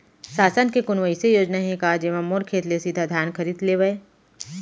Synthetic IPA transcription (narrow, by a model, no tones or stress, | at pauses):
saːsənkekʊnʋəisejoːd͡ʒnaɦĩkaːd͡ʒeʋãmoːɾkʰeːt̪lesid̪ʱad̪ʱjaːnkʰɐɾiːd̪leːʋɐe